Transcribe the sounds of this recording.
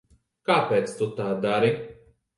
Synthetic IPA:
kaːpeːt̪st̪ut̪aːd̪aɾi

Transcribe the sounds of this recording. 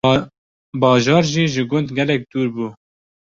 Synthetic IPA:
bɑːʒɑːɾʒiːʒɨɡʊnd̪ɡʲɛlɛk̚d̪̥uːɾbuː

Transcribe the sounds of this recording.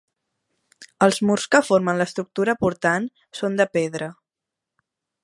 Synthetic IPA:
əlˠzmurskəfoɾmənləst̪ɾuk̚t̪uɾəpuɾt̪an | sond̪əpeðɾə

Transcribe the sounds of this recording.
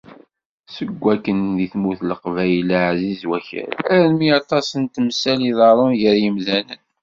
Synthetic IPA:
səɡʷːækːənðiθmuθləqvæjlaʕzizwæçə̰ɾæɾnmiɑt̪ˤɑsənt̪msæliðɑɾˤonʝəɾjəmðænən

